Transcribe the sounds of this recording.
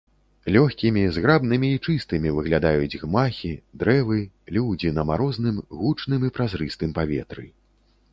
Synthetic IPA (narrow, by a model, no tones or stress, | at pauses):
lʲɔxʲkʲimʲizɣɾabnɨmʲiːt͡ʂɨst̪ɨmʲivɨɣlʲad̪ajud͡zʲɣmaxʲid̪ɾɛvɨ | lʲuwd͡zʲinɐmaɾɔznɨmɣut͡ʂnɨmipɾazɾɨst̪ɨmpavʲɛ̰t̪ɾɨ̰